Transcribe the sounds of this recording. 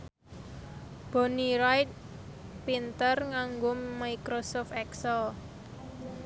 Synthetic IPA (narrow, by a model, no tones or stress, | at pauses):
b̥o̤niɾajt̪̚ | pint̪ərŋaŋɡomaikɾosɔft̪ɛksɛl